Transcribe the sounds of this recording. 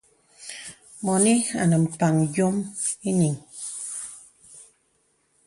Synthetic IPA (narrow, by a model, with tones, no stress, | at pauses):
mɔ˨ni˦a̰˨nə˨m̩˨pa˨ŋd͡ʒjo˦mi˦ni˨ŋ